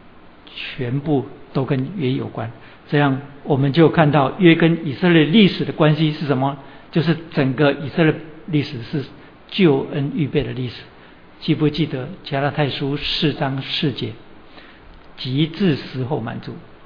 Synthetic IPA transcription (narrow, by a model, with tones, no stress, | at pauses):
t͡ɕʰɥɛ˧˦npu˥˩t̪o˥ʊkə˦nɥɛ˥jo̰˨˩ʊkwa˦n | ʈ͡ʂɤ˥˧jɑ˥˩ŋwɔ˨˩mə˨˦nt͡ɕjo˥˧ʊkʰa˥˧nt̪ɑ˥˨ʊɥɛ˥kə˦ni˨˩sə˥˧ljɛ˥˧li˥˩ʂɻ̩˨˩d̪ə˦kwa˦nɕi˥ʂɻ̩˥˩ʂə˧˦nmɐ˨ | t͡ɕjo˥˧ʊʂ̬ɻ̩˥˩t͡sə˨˩ŋɡə˦i˨˩sə˥˧ljɛ˥˩li˥˩ʂɻ̩˨˩ʂɻ̩˥˩ | t͡ɕjo˥˩ʊə˦ny˥˧pe˥˩ɪd̪ə˩li˥˩ʂɻ̩˨˩˦ | t͡ɕi˥˧pu˥˧t͡ɕi˥˩t̪ə˩˦t͡ɕja˥la˧t̪ʰa˥˩ɪʂu˦ʂɻ̩˥˩t͡sɑ˦ŋʂɻ̩˥˧t͡ɕjɛ˥˩ | t͡ɕi˧˦t͡sɹ̩˥˧sɹ̩˧˥xo˥˩ʊma̰˨˩˦nt͡su˨˩˦